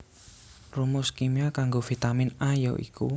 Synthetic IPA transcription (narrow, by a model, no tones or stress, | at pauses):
rumʊskimiakaŋɡovit̪amɪnajɔ̰ʔḭku